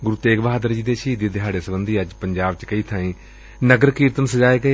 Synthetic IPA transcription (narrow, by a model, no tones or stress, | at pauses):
ɡʊɾuːt̪eːɡʋɦaːd̪əɾd͡ʒiːd̪eːʃiːd̪iːd̪ɪɦaːɖeːsəbənd̪iːəd͡ʒpəɲd͡ʒaːb̚t͡ʃkəiːt̪ʰãːĩː | nəɡəɾkiːɾt̪ənsəd͡ʒaːeːɡəeː